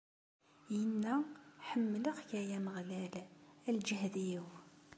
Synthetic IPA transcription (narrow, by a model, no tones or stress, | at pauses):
jənːæħəmːləqʝæjæməʁlælæld͡ʒəɦðijw